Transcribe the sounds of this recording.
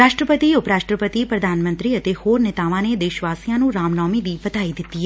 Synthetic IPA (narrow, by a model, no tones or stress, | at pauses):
ɾaːʃʈɾəpət̪iːʊpɾaːʃʈɾəpət̪iːpɾəd̪ʱaːnmə̃nt̪ɾiːət̪eːhoːɾnɪt̪aːʋãːned̪eːʃʋaːsijãːnũːɾaːmnɔːmiːd̪iːbət̪aːid̪ɪt̪ːiːɛ